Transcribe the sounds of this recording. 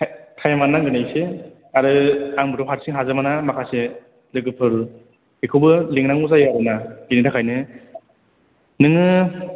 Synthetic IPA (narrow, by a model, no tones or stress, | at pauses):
kʰajamanːaŋɡɯnajse | aɾɯaŋbɯɾɔpʰɦaɾsiŋɦazɯmanamakʰase | lɯɡɯpʰɯɾɯ | ekʰɯwbɯleŋnaŋuzajaɾɯnaɡinitʰakʰajnɯ | nɯŋɯ